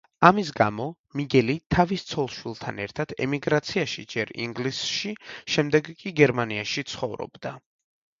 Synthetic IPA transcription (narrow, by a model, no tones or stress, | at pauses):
amis̬ɡamɔ | miɡɛlit̪ʰavist̪sʰɔlˠʃwilˠt̪ʰanɛɾt̪ʰad̪̥ɛ̰miɡɾat̪sʰiaʃid͡ʒɛɾḭŋɡlisʃiʃɛmd̪ɛɡkʼiɡɛɾmaniaʃit̪sʰχɔvɾɔ̰bd̪a